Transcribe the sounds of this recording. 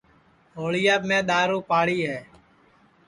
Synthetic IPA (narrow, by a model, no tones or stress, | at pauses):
ɦoːɭɪjaːmẽːɗ̪aːɾũːpaːɽiːɦɛː